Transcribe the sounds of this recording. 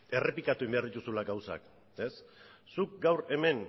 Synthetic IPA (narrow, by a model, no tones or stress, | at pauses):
e̞re̞pikat̪uimbe̞aɾðit̪usulaɡawsa̰k | e̞sːuk̚ɡawɾe̞me̞n